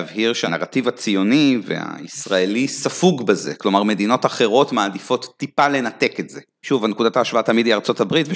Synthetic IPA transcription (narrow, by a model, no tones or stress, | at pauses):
vɦiʁʃeanaʁativat͡sijo̞nivḛa̰isʁae̞lisafuɡbeze̞klo̞maʁme̞d̪ino̞taχe̞ʁo̞tmaːdifo̞t̪ːipale̞nate̞ketz̥e | ʃuvanekud̪ataːʃvaatamidiaʁt͡so̞tabʁitve